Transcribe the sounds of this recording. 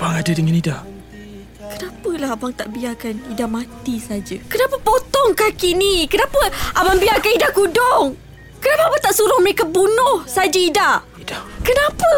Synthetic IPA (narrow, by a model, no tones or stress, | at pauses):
baŋadadəŋanidaʔ | kənapəlaɦabaŋt̪aʔbiakanidaʔmat̪isad͡ʒəkənapəpɔt̪ɔŋkahkinikənapəʔabaŋbiakanidaʔkudɔŋ | kənapəabaŋt̪aʔsuɾʊhməɾekabunʊhsad͡ʒəidaʔ | idakənapə